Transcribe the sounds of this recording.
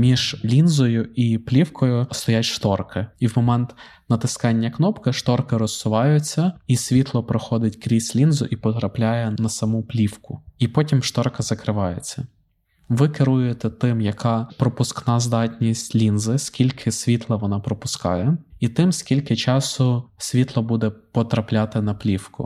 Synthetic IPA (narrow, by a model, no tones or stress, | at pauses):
mʲiʒ̥lʲinzɔjʊiplʲiwkʰɔjʊst̪ɔjatʲʃt̪ɔrkɪiwmɔmɛnt̪ | nɐt̪ɪskɑnʲːɐknɔpkɪʃt̪ɔrkɪɾɔsːʊʋɑjʊt͡sʲːɐisʲʋʲit̪lˠɔpɾɔxɔd̪ɪtʲkɾʲisʲlʲinzʊʔipɔt̪ɾɐplʲajɛnɐsɐmuplʲiwkʊipɔtʲimʃt̪ɔrkɐzɐkɾɪʋɑjet͡sʲːɐ | ʋɪkɪɾujet̪ɛt̪ɪmjɐkɑpɾɔpʊsknɑzd̪ɑtʲnʲisʲtʲlʲinzɪskʲilʲkʰɪsʲʋʲit̪lˠɐʋɔnɑpɾɔpʊskɑ̰jɛit̪ɪmsʲkʲilʲkɪt͡ʃɑsʊsʲʋʲit̪lˠɔbud̪ɛpɔt̪ɾɐplʲat̪ɪnɐplʲiwkʊ̰